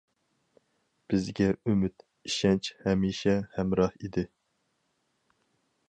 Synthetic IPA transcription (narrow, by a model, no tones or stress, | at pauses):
b̥ɪzɡʲɛymyt̪ | iʃɛnt͡ʃhɛmiʃɛhɛmɾɑhid̪ɪ